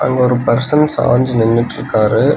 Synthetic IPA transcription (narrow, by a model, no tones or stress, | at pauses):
ʔɐ̰ŋɡɐɔɾɯpɐɾsɐnsa̰ːɲd͡ʒnɪnːɪʈːɪɾɯkːaːɾɯ